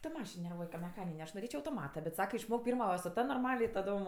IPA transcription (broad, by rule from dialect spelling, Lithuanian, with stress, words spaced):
tɐ ˈmɑːʃʲɪn nʲɛrˈʋuɔj kɐ mʲɛˈxɑːnʲɪnʲɛ ɐʃ noːˈrʲeːt͡ʃʲoː ɐʊtoːˈmɑːtɐ bʲɛt ˈsɑːkɐ ɪʃˈmoːk ˈpʲiːrmɐ sʊ ˈtɐ noːrˈmɑːlʲɛ ɪ tɐˈdoːm